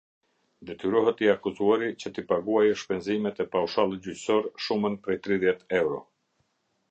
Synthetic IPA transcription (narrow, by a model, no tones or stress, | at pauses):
d̪ɛt̪yɾɔɦɛt̪iakuzuaɾit͡ɕət̪ipaɡuajʃpɛnzimɛt̪ɛpauʃalˠɛt̪d͡ʑycsɔɾʃumənpɾɛjt̪ɾiðjɛt̪ɛwɾɔ